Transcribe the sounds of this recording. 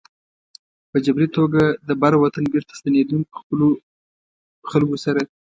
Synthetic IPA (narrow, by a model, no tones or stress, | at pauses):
pəd͡ʒabɾit̪oɡad̪əbaɾwat̪anbeɾt̪ḁst̪aned̪unk̚pə̥xpəlo | xalɡosaɾa